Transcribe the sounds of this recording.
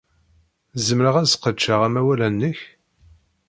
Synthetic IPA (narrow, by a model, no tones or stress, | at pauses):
zəmɾəʁæzqət͡ʃːaʁæmæwælænːəç